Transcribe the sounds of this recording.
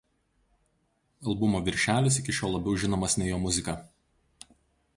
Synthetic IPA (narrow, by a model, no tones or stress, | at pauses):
ɐlˠbʊmoːʋʲɪɾʲʃʲæːlʲɪs̬ɪkʲɪʃʲoːlˠlˠɐbʲɛʊʒʲɪnoːmɐsʲnʲɛjoːmʊzʲɪkɐ